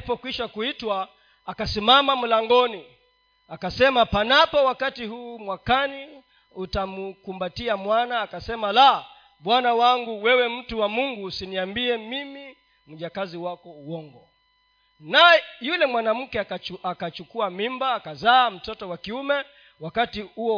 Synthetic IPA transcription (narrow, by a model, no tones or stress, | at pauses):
pɔkwiʃakuitwaː | kasimamam̩laŋɡɔni | akasɛmapanapɔwakatiɦuːmwakani | utamukumbatiamwanaːkasɛmala | ɓwanawaŋɡuwɛwɛm̩tuwamuŋɡusiniambiɛmimi | m̩ʄakaziwakɔuwɔŋɡɔ | naɛjulɛmwanam̩kɛakat͡ʃukuamimbaːkazaːm̩tɔtɔwakiumɛ | wakatihuɔ